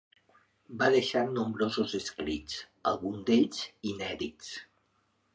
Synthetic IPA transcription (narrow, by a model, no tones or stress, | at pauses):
baðeʃaɾnumbɾozozeskɾit͡s | a̰lˠɣund̪eʎzinɛðits